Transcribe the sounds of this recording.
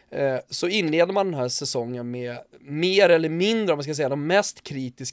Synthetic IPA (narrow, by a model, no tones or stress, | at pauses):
sɔɪnːleːd̪əɾmand̪ɛnɦæːʂɛsɔŋːənmɛmeːɾɛlːəɾmɪnd̪ɾəɔmːanskasɛjad̪ɔmːɛst̪kʰɾiːt̪ɪsk